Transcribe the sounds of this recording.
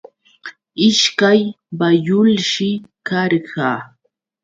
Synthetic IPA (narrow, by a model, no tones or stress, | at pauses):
ɪʃkaj | bajʊlʃɪkɑɾɢɑː